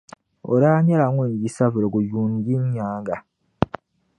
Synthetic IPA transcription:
o̰˨ɾaː˦ɲa˦la˨ŋwe˦˨ɲɟi˦sa˦vi˨ɾo˨ɡu˨juː˨n˨ɟi˦ɲɲaː˦ŋɡa˨

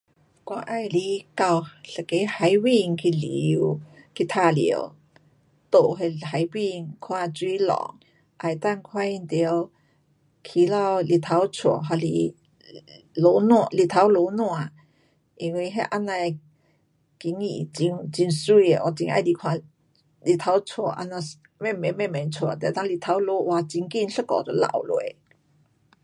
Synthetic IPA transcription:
kwa˧ʔa˧jli˧˦ka˧wɬe˨ke˨˧˦jha˧˦jwi˧ŋkʰi˧li˨wki˧t̪ʰa˧lḭ˨ə̰˧w | t̪o˧˨ɦe˧ɦa˨˧˦jwi˧ŋkʰwa˧t͡swi˧˦lɔ̰˨ŋ | ʔa˧˩jt̪a˥˧ŋkʰwa˧i˧nt̪i˧ə˧w | kʰi˧la˧wli˧˨t̪ʰa˧wt͡sʰu˨˩˨ɦa˧lḭ˧˦ | lo˧˦n˧˨li˧˨˩t̪ʰa˨˧˥wlo˧˦nw̃a˧˨ | ʔi˧ŋwi˧ɦa˥˧ʔa˧˥na˧ | ki˧˥˦ŋḭ˨˩t͡ɕi˧ŋt͡ɕi˧nsu˥˧e˧˩ʔwa̰˧˩t͡ɕi˧ŋʔa̰˧jli˧˩kʰwa˧ | li˧˨˩t̪ʰa˧˦˥wt͡sʰu˨˧˩ʔa̰˧˥nã˧ | me˧˨me˨˧me˥˧˨me˨nt͡sʰwu˨˧˩t̪ɛ˨t̪a˧˦ŋli˧˩t̪ʰa˧˦wlo˧˦ʔwa˧t͡ɕi˧ŋki˥˧nɬə˥kɔ̰˨t̪o˧˦la̰˧˨˩wlwe˨˧˦

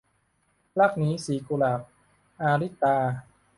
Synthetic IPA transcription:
la˥˩k̚niː˦˥siː˨˩˦ku˧laː˨˩k̚ | ʔaː˧ɾi˦˥˩t̪aː˧

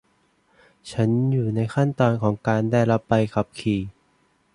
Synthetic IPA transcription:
t͡ɕʰa˦˥njuː˨˩na˧jxʰa˥˩nt̪ɔː˧nkʰɔː˩˦ŋkaː˧ndaː˥˩jɾa˦˥pːa˧jkʰa˨˦˩p̚kʰiː˨˩

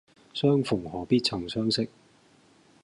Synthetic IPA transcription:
sœː˥ŋfʊ˨˩ŋhɔː˨˩piː˥t̚t͡sʰɐ˨˩ŋsœː˥ŋsɪ˥k̚

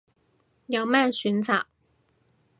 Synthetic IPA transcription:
jɐ˨˧wmɛː˥syː˨˥nt͡sʰa̰ː˨˩k̚

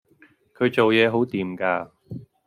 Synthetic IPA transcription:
kʰɵ˨˧ɥt͡so˨wjɛː˨˧ɦo˨˥wt̪iː˨mkaː˧

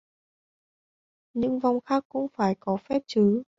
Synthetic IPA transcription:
ɲɨ̰˧˥ŋva˨˧wŋ͡mxaː˦˥kːʊ̰˧˥ŋ͡mfaː˧˩jkɔ˨˦fɛ˦˥p̚t͡ɕɨ˨˦

